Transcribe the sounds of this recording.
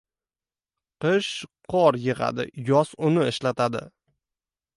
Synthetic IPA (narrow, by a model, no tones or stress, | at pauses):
qɨʃqʰɒɾjɪʁa̰d̪ɪ̰jɒsʊnɪɪʃlat̪ʰad̪ɪ̰